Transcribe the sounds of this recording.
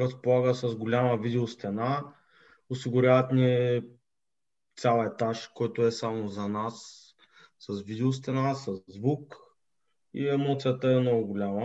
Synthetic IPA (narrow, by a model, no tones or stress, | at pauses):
ɾɐspolˠaɡəsɐzɡolʲaməvid̪ɛost̪ɛna | osiɡʊɾʲavət̪niɛ | t̪sʲalˠɛt̪aʃkɔjt̪oɛsamozɐnasː | ɐsvid̪ɛos̬t̪ɛnasɐzːvuk | ḭɛmɔt̪sijət̪əɛmnɔɡʊɡolʲamə